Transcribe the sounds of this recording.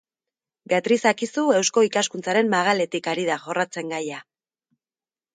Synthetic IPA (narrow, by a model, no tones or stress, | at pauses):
be̞at̪ɾisakisue̞wsko̞ikaskunt͡saɾe̞mːaɣ̞ale̞t̪ikaɾiðaʝo̞rat͡se̞ŋɡaja